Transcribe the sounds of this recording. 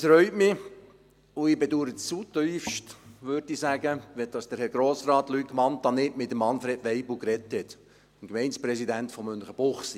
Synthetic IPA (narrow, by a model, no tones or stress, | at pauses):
əsɾœʏtmɪ | ʊɪbeduːɾətt͡sut̪yʏfʃtʋøɾdisæɡəʋɛd̥ɑsd̥əɾhɛɾɡ̥ɾoːsɾɑːtlykmɑntːɑnɪtmɪtdəmɑnfɾeːdʋeɪbl̩ʊkɾɛthɛt | mkmɛɪnspɾɛsidæntfɔmːʏnχəb̥ʊχs